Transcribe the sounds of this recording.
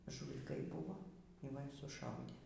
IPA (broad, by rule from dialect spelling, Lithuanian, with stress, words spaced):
ʒuːlʲɪˈkɐɪ ˈbʊʋoː iː ˈʋɐ iː sʊˈʃɐʊdʲeː